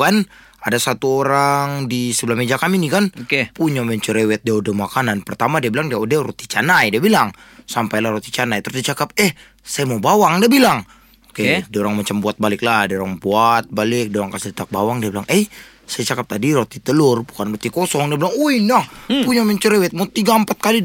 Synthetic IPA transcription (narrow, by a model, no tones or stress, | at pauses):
kan | adasat̪uoɾaŋdisəbəlahmed͡ʒakaminikankepuɲamɛɲt͡ʃuɾewɛt̪̚diaudəmakananpərt̪amadiabilaŋdiaudɛrot̪i̥t͡ʃanajdiabilaŋ | sampajlahɾot̪i̥t͡ʃanajt̪əɾʊsdiat͡ʃakap̚ɛh | sajamabawaŋdiabilaŋ | okediaoɾaŋmat͡ʃambuat̪̚balɪk̚ladiaoɾaŋbuat̪̚balɪk̚dioɾaŋkasɪlt̪ak̚bawaŋdiabilaŋɛj | sajat͡ʃakap̚t̪adiɾot̪it̪əlʊrbukanrot̪ikosɔŋdiabilaŋuinahpuɲamɛɲt͡ʃuɾewɛt̪̚mot̪iɡaəmpat̪̚kali